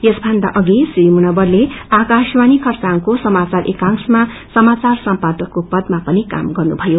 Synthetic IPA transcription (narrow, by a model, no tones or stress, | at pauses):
jesbʱʌnd̪a̰ʔʌɡisrimunʌbʌrleakaswanikʰʌrt͡saŋkosʌmat͡sarʔekaŋsma | sʌmat͡sarsʌmpad̪ʌkːopʌd̪mapʌnika̰mɡʌrnubʱʌjo